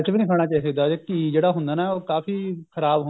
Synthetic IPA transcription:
t͡ʃʋiːnĩːkʰaːɳ̃aːt͡ʃaːɦisəɡd̪aːd͡ʒekid͡ʒeːɽaːɦʊ̃nd̪aːnaːoːkaːfiːkʰəɾaːbɦ

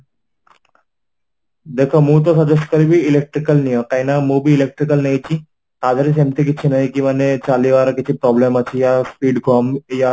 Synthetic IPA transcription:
d̪ekʰamũːt̪osəd͡ʑeɕkəɾibʱiːlek̚ʈɾikəlnijəkajnamubiːlek̚ʈɾikəlnejt͡ɕiː | t̪ad͡zɾis̬emt̪ik̬it̪ːɕʰinaɦikĩʋanet͡saliʋaɾakit͡ɕʰiːpɾɔblemat͡ɕiːjaspiːɖɡʱɔmja

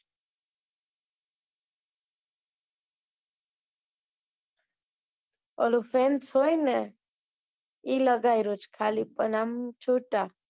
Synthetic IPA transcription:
ɔlufɛnt͡sʰojnə | ilɔɡajɾut͡ʃkʰalipʼənamt͡ʃʰuʈʼa

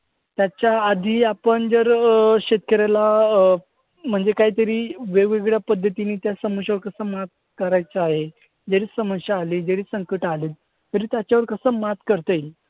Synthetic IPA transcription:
t̪jat͡ɕjaːd̪ʱiːapəɳd͡zəɾɕet̪̚kəɾala | m̤əɳd͡zekaɦiːt̪əɾiːʋeɡʋeɡɭjapəd̪ʱːət̪iniːt̪jasəməɕaʋəɾkəsəːmat̪̚kəɾajt͡səaɦe | d͡ʑəɾiːsəməɕaːliːd͡zəɾiːsəŋkəʈaliːl | t̪əɾiːt̪jat͡ɕjaʋəɾkəsəːmat̪kəɾt̪əil

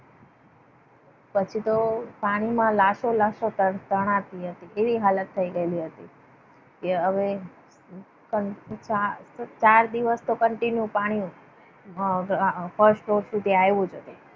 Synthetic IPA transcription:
pət͡ʃʰit̪opaɽ̃imãlaʃolaʃot̪t̪əɽ̃at̪iɦət̪iʔeʋiɦalət̪ʰːəiɡəeliɦət̪i | keɦəʋe | kəat͡ʃaɾd̪iʋəst̪okəɳʈinjũpaɽ̃iũ | fʰəɾsʈɾoɾsud̪ʱiajʋũd͡ʒət̪e

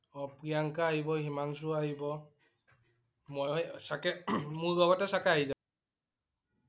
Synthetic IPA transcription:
ɔpɹijaŋkaːɦibɔhimaŋsuaɦibɔ | mɔjɔsakɛmuɹɡɔɡatɛsakaaɦiza

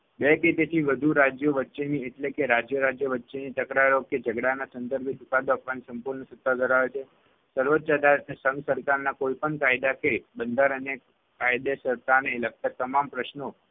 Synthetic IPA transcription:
beket̪et̪ʰiʋəd̪ʱuɾad͡ʒjəʋətːʃenieʈlekeɾad͡ʒjəɾad͡ʒjəʋətːʃenit̪əkɾaɾoked͡ʒəɡɽanasənd̪əɾɡʱet͡ʃukad̪oapʋanisəmpuɾɳəsət̪ːad̪ʱəɾaʋet͡ʃʰe | səɾʋot̪ːt͡ʃad̪aɾsə̃ŋɡsəɾkaɾnakoipəɳkajd̪akebənd̪aɾəne | kajd̪esəɾt̪aneːlək̚t̪at̪əmampɾəʃno

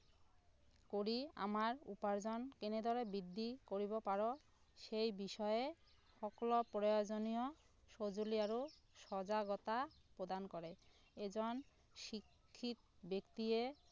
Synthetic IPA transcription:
koɾia̰maɾṵpaɾd͡ʑɔnkened̪ʱɔɾebid̪ːikoɾibopaɾo | ʃejbiʃɔee | ʃɔklopɾojod͡ʑonio | ʃod͡ʑoliaɾoʃɔd͡ʑaɡɔt̪apɾod̪ankɔɾe | ed͡ʑɔn | ʃikʰːit̪bekt̪ie

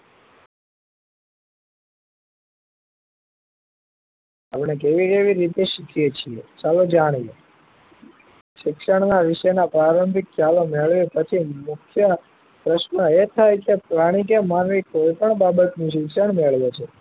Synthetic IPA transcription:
apɳ̃ek̬eʋikeʋiɾit̪eʃikʰijet͡ʃʰiet͡ʃalod͡ʒaɽ̃ije | ʃɪkʃəɳ̃naʋiʃenapɾaɾəmbʱikʰːjalomeɭʋepət͡ʃʰimukʰjə | pɾəʃnəet̪ʰajkepɾaɽ̃ik̬emanʋikoipəɳbabət̪nũʃ̬ɪkʃəɳmeɭʋet͡ʃʰe

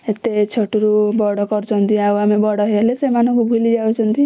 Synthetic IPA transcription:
et̪et͡sʰʌʈuɾubɔɽɔkʌrt͡sʰʌnt̪ʰĩawamebʌɽʌɦelesemanʌkubʱulid͡ʒawt͡sʰʌnt̪i

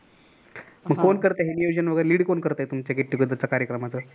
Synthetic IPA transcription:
məɡ̚kːonkəɾt̪aɦenijod͡ʑənʋəɡəjɾeliːɽkonkəɾt̪ajet̪umt͡ɕakeʈːikud̪ʱət͡sakaɾjəkɾəmat͡səː

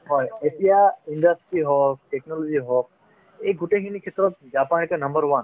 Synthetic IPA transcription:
ɦɔjesijaiɳɖəsʈɾiɦɔk̚ʈeknɔlod͡ʒiɦɔːk | eɡuʈeɦinikʰet̪ɾɔt̪̚d͡ʒaːpaːnkenɐ̃mbəɾʋɐn

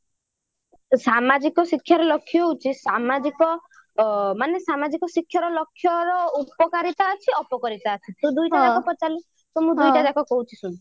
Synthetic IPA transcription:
samad͡ʒikɔsikʰːjaɾɔlɔkʰːjɔɦut͡ʃʰisamad͡ʒikɔ | manesamad͡ʒikɔsikʰːjɔɾɔlɔkʰːjɔɾɔupɔkaɾit̪aːt͡ʃʰiɔpɔkɔɾit̪aːt͡ʃʰit̪ũd̪ujʈad͡ʒakɔpɔt͡ʃali | t̪ɔmũd̪ujʈad͡ʒakɔkɔɦut͡ʃʰisũn

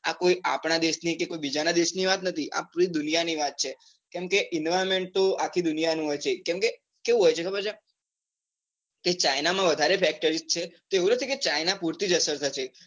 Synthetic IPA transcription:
a̰koiʔapɳ̃ad̪eʃnikekoibid͡ʒanad̪eʃniʋat̪nət̪ʰiʔa̰pɾid̪ʊnijaniʋat̪̚t͡ʃʰe | kɛmkeʔɪnʋaɾmeɳʈ̚t̪oakʰːid̪ʊnijanũɦojt͡ʃʰekɛ̃mke | keʋũɦojt͡ʃʰekʰəbəɾt͡ʃa | ket͡ʃajnamãʋəd̪ʱaɾefɛk̚ʈəɾistt͡ʃʰet̪oeʋũnət̪ʰiket͡ʃainapuɾt̪id͡ʒəsəɾt̪ʰət͡ʃʰe

